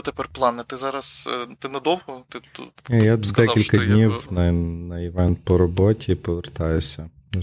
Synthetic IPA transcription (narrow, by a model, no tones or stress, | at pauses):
t̪epɛrplˠɑnɛt̪ɪzɑɾɐst̪ɪnɐd̪ɔwɦɔt̪ɪjad̪ɛkʲilʲkɐd̪ʲnʲiwnɐnɐjɪʋɛnt̪pɔɾɔbɔtʲʰipɔʋert̪ɑjʊsʲɐ